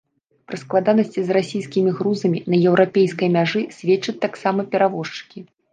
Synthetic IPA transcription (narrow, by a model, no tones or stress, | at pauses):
pɾɨsklˠad̪anɐsʲt͡sʲizrasʲijskʲimʲiɣɾuzɐmʲinɐjɛwɾʔapʲejskɐjmʲaʐɨsʲvʲɛt͡ʂɐt͡sʲt̪aksamɐpʲɛɾavɔʂt͡ʂɨ̥kʲi